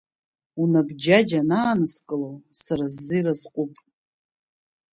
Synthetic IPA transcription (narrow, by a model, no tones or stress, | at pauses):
unabd͡ʒad͡ʒanaːnɨskʼɨlowsaɾazːɨjrazqʼupʼ